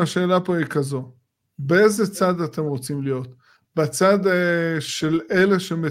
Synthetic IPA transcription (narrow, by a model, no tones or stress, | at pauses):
aʃe̞ːlapo̞ikazo̞ | bee̞zet͡sad̪at̪emʁo̞t͡simlijo̞t̪ | bat͡sad̪ʃele̞le̞ʃeme